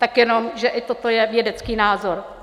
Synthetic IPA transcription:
t̪akjɛno̞mʒɛʔɪt̪ot̪o̞jɛvjɛdɛt͡skiːnaːzo̞ɾ

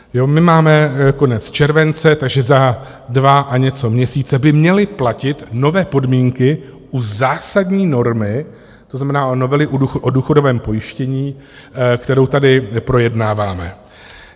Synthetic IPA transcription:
jo̞mɪmaːmɛko̞nɛt͡st͡ʃɛɾvɛnt͡sɛt̪aɡʒɛza | dvaʔaɲɛt͡so̞mɲɛsiːt͡sɛbɪmɲɛlɪplacɪt̪no̞vɛːpo̞dmiːŋkɪ | ʔuzaːsadɲiːno̞ɾmɪ | t̪oznamɛnaːʔono̞vɛlɪʔuuxʔoduːxo̞do̞vɛːmpo̞jɪʃcɛɲiː | kt̪ɛɾo̞wt̪adɪpɾo̞jɛdnaːvaːmɛ

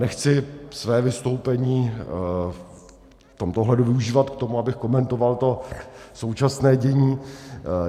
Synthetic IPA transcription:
nɛxt͡sɪsvɛːvɪst̪o̞wpɛɲiː | ft̪o̞mt̪oɦlɛduvɪuʒiːvat̪kt̪o̞muabɪxko̞mɛnt̪o̞valt̪o̞so̞wt͡ʃasnɛːɟɛɲiː

